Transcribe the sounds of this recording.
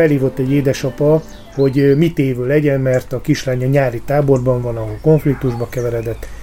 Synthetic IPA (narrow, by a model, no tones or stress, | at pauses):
ɛlhiːvo̞t̪ːɛɟːeːd̪ɛʃɒpɒ | ho̞ɟmit̪eːvøːlɛɟɛnmɛrt̪ɒkiʃraːɲɒɲaːɾit̪aːbo̞rbɒɱvɒnɒko̞ɱflik̚t̪uʒbɒkɛvɛɾɛd̪ɛt̪ː